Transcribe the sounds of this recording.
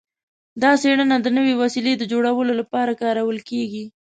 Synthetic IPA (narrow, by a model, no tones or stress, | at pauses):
d̪ɑseɽənad̪ənəwewasiled̪əd͡ʒoɽawəlolapɑɾakɑɾawəlkeɡi